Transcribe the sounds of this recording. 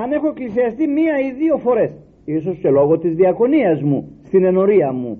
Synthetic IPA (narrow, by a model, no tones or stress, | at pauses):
ɐne̞xo̞eklisiɐst̪imiɐiðio̞fo̞ɾe̞s | iso̞sce̞lo̞ɣo̞t̪izðiɐko̞niɐzmust̪ine̞no̞ɾiɐmṵ